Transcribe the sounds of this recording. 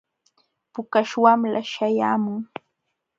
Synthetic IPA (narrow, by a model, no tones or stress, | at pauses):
pʊkaʃwamla̰ʃaja̰ːmʊŋ